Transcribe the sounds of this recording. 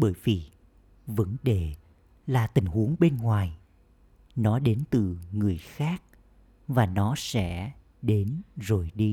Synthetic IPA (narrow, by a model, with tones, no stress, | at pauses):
ɓəː˧˩jvi˨˩ | və̰˧˥nɗe˧˩ | laː˨˩t̪ï˨˩ŋ̟hu˨˦əŋɓe˧nŋwaː˨˩j | nɔ˨˦ɗe˨˦nt̪ɨ˨˩ŋɨ˨˩əjxaː˦˥k̚ | vaː˨˩nɔ˨˦sɛ̰˧˥ | ɗe˨˦nzo˨˩jɗi˧